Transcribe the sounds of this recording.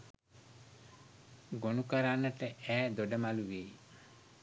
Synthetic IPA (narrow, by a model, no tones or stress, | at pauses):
ɡonukəɾanːəʈəʔæːd̪oɖəmaluʋeː